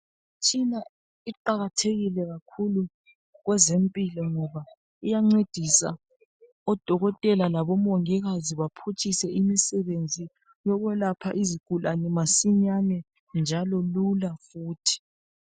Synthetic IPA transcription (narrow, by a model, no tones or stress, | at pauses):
tʰina | iǃaɣatʰeɣilɛɣakʰulu | ɣwɛzempʼilɔŋɔβa | ijaŋ͡ǀed̥ʱisa̰ | ɔd̥ʱɔɣɔtʼɛlalaβɔmoŋiɣaziβapʰut͡ʃʰisɛimisɛβend͡zʱi | jɔɣwɛlapʰa̰ʔiziɡ̥ʱulanɛmasiɲanɛ | nd͡ʒʱalɔlulafuːtʰi̥